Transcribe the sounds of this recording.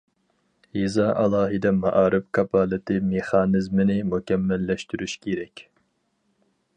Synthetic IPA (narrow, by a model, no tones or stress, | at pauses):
hizɑʔɑlˠɑːɦɨd̪ɛmɑʔɑːɾʔɪpkʰɑpʰɑːlˠɨt̪ʰɨmeχɑːnɨzmɪnɪmukʲɛmːɛlːɛʃt̪yɾyʃkʲʰeɾɛkʲ